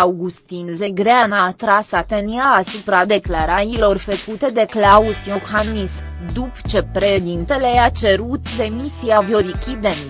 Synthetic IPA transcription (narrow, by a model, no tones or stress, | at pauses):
awɡust̪inzeɡɾeanaːt̪ɾasat̪əniaːsupɾad̪e̞klaɾajilo̞rfəkut̪e̞d̪e̞klausjoxanmis | d̪upt͡ʃe̞pɾeʃed̪int̪e̞le̞at͡ʃe̞ɾut̪d̪e̞misiavjo̞ɾikʲid̪en